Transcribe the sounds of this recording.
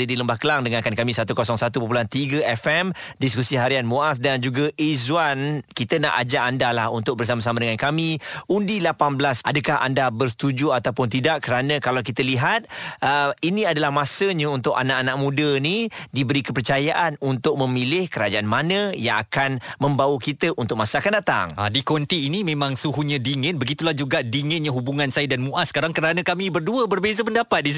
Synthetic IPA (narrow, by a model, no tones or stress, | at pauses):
dədiləmbahkəlaŋdəŋankankamĩsat̪ukosɔŋsat̪upəp̬ulant̪iɡəɛfɛmdiskusiɦaɾianmoas̬dand͡ʒuɡaʔizwankit̪əna̰ʔa̰d͡ʒaʔandalahunt̪ʊk̚bərs̬amas̬amadəŋankamiundilapanbəlasʔa̰dəkaɦa̰ndabərsə̥t̪ud͡ʒuat̪awpʊnt̪idaʔkːəɾanãkalawkit̪əliɦat̪̚əinĩadalahmasəɲãunt̪ʊka̰naʔanaʔmũdənidibəɾikəpərt͡ʃajaʔanunt̪ʊk̚mə̃milɪhkəɾad͡ʒaʔanmanə̃jaŋakanmə̃mbawəkit̪əʔunt̪ʊk̚masəakandat̪a̰ŋa̰dikɔnt̪iːnimẽmãŋsuɦuɲadiŋənbəɡit̪ulahd͡ʒuɡadiŋɪnɲaɦubuŋãnsajədanmuʔasə̥kaɾaŋkəɾanãkamĩbərduəbərbezəpəndapat̪̚dis